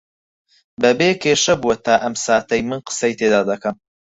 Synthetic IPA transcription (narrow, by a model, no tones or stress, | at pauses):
bɐbeːkʰeːʃɐbuwɐt̪ʰaːʔɐmsaːt̪ɐjmɨnqə̥sɐjt̪ʰeːd̪aːd̪ɐkɐm